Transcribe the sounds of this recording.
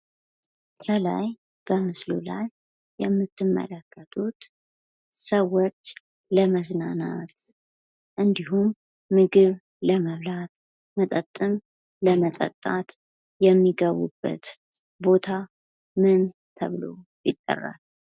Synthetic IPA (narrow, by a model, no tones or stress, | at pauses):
kʰəla̰j | b̥əmɨslulajː | ɛmːɨt̪ːɨmːə̰ləkːət̪ʰut̪ | səwːot͡ʃː | ləməznanat̪ | ʔɨnd̪iɦumː | ɨɡɨβ | ləməβlat̪̚ | mət̪ʼət̪ʼːɨm | ləmət̪ʼə̰t̪ʼːat̪ | jɛmːiɡəβṵbːə̰t̪ | bo̞t̪ʰa | mɨn | t̪ʰə̰βlo̰ | jɪt̪ʼːə̰rːa̰l